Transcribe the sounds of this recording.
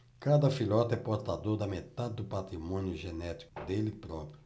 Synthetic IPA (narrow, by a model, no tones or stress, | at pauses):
kad̪ɐfilɔt̪ɛpoɾt̪ad̪oɾd̪ɐmet̪ad̪ɪd̪ʊpat̪ɾimõnjʊʒenɛt̪i̥kʊd̪elɪpɾɔpɾʊ